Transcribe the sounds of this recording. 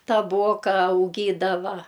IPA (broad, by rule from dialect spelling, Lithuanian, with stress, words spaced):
tɐˈboːkɐ ɐʊˈɡʲiːdɐʋɐ